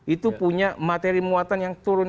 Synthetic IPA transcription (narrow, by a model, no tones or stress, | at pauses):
ʔit̪upuɲamat̪eɾimuat̪anjaŋt̪uɾʊn